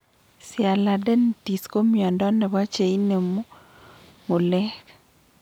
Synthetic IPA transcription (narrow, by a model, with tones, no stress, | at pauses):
sja˨la˨dɛ˦nti˨sko˦mja˨ndɔ˦nɛ˨βa˦t͡ʃe˨i˦ne˨mo˦ | ŋo˨lɛ˦k